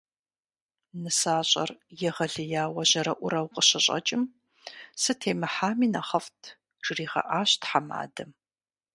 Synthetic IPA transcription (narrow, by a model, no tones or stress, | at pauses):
nɨsaːɕʼɐ̰rjɛʁɐɮɨjaːwɐʑɐɾɐʔʷʊɾɐwqʼəɕɪɕʼɐ̰t͡ʃʼɪm | sɨtʰeːmɨħaːmiːnɐχɐftʰ | ʒ̥riːʁɐ̰ʔaːɕtʰħama̰ːdɐm